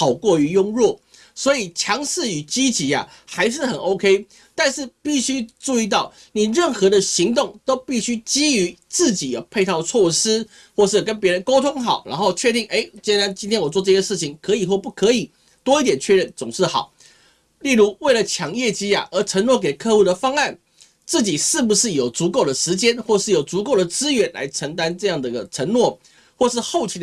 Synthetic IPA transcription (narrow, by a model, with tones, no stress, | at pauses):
ɑ˨˩ʊkwɔ˥˩y˧˥jʊ˥ŋɻwɔ˥˩ | swɔ˧˥i˨˩t͡ɕʰjɑ˧˥ŋʂɻ̩˥˩y˨˩t͡ɕi˥t͡ɕi˧˥a̰˨ | xa˧˥ɪʂ̬ɻ̩˥˩xə˨˩no˥ʊkʰe˥ɪ | t̪a˥˧nʂɻ̩˥˨pi˥˩ɕy˥ʈ͡ʂu˥˧i˥˧t̪ɑ˥˩ʊ | ni˨˩ɻə˥˩nxɤ˧˥d̪ə˨ɕi˧˥ŋt̪ʊ˥˩ŋt̪o˥ʊpi˥˩ɕy˥t͡ɕi˥y˧˥t͡sɹ̩˥˩t͡ɕi˨˩jo̰˨˩pʰe˥˧ɪt̪ʰɑ˥˧ʊt͡sʰwɔ˥˩ʂ̩˥ | xwɔ˥˧ʂ̬̩˥˩kə˦npjɻə˧˦nko˥ʊt̪ʰʊ˥ŋxɑ˨˩ʊɻa̰˧˥nxo˥˧ʊt͡ɕʰɥɛ˥˧t̪i˥˩ŋʔe˥˩ɪt͡ɕjɛ˥na˧˥nt͡ɕi˥nt̪ʰjnwɔ˨˩t͡swɔ˥˧ʈ͡ʂɤ˥˩ɕjɛ˥ʂɻ̩˥˩t͡ɕʰi˨˦ŋkʰɤ˧˥i˨˩xwɔ˥˧pu˥˩kʰɤ˧˥i˨˩ | t̪wɔ˥i˥˩t̪jɛ˨˩nt͡ɕʰɥɛ˥˧ɻə˥˩nt͡sʊ˨˩ŋʂɻ̩˥˩xɑ̰˨˩˦ʊ | li˥˩ɻu˧˥we˥˩ɪlə˩t͡ɕʰjɑ˧˥ŋjɛ˥˧t͡ɕi˥ja̰˨ʔə˞˧˥ʈ͡ʂʰə˧˥ŋnwɔ˥˩k̬e˨˩ɪkʰɤ˥˧u˥˩d̪ə˩fɑ˥ŋa˥˩n | t͡sɹ̩˥˩t͡ɕi˨˩ʂɻ̩˥˩pu˧˩ʂɻ̩˥˩jo˨˩ʊt͡su˧˥ko˥˩ʊd̪ə˩ʂɻ̩˧˥t͡ɕjɛ˥nxwɔ˥˧ʂɻ̩˥˩jo˨˩t͡su˧˥ko˥˩ʊd̪ə˩t͡sɹ̩˥ɥɛ˧˥nla̰˧˥ɪʈ͡ʂʰə˧˥ŋt̪̬a˦nʈ͡ʂɤ˥˧jɑ˥˩ŋd̪ə˩˧˥ɡə˨˩ʈ͡ʂʰə˧˥ŋnwɔ˥˩ | xwɔ˥˧ʂɻ̩˥˧xo˥˩ʊt͡ɕʰi˧˥